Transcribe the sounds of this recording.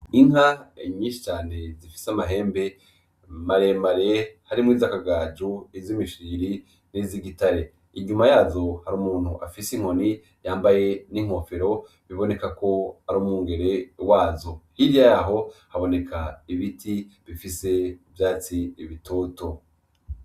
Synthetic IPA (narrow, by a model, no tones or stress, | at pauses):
iŋaiɲiːʃi̥t͡ʃaːne̞zifi̥samaɦe̞ːmbe̞ | maɾemaɾehaɾimŋwiːzakaɡaːd͡ʒuizimiʃiːɾi | niziɡitaɾe | iɲumajaːzo̞haɾuːmuːn̥huʔa̰fisiŋ̥o̞ni | jaːmbaje̞niŋ̥o̞feɾo̞ | βiβo̞ne̞kako̞aɾuːmŋuːŋɡe̞ɾe̞waːzohiɾjajaɦo̞haβo̞ne̞kʰaiβitʰiβifise̞vjaːt͡siːβitʰoːto